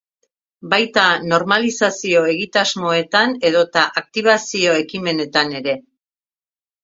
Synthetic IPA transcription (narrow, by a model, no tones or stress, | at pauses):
bajt̪ano̞ɾmalisasio̞e̞ɣit̪azmo̞e̞t̪ane̞ðo̞t̪aʔak̚t̪iβ̞asio̞e̞kime̞ne̞t̪ane̞ɾe̞